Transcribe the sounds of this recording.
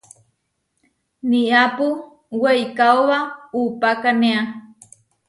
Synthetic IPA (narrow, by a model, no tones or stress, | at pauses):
niapu | wejkaoβaupakaneã